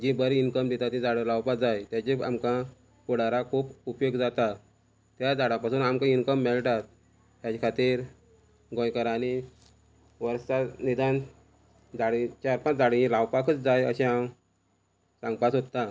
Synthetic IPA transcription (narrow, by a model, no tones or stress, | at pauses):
d͡ʑibəɾiinkəmd̪et̪at̪ĩd͡zaɽlawpad͡zajt̪jat͡ɕea̰mkã | puɽaɾakʰuːpupjoɡd͡zat̪a | t̪jad͡zaɽãpasuːnamkãinkəmːɛɭʈat̪̚ː | jat͡ɕakʰat̪iːɾ | ɡõjkəɾani | ʋəɾsanid̪an | d͡zaɽit͡ɕaɾpãd͡zaɽĩlawpakət͡sd͡zajəɕẽam | sãŋɡ̚pasɦot̪ːa